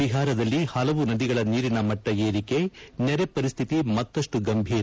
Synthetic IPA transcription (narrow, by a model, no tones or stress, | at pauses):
iɦaːɾɐd̪ɐlːihɐlɐʋunɐd̪iɡɐɭɐniːɾinɐmɐʈːɐeːɾike̞nɛɾe̞pɐɾist̪ʰit̪imɐt̪ːɐʂʈuɡɐmbʱiːɾ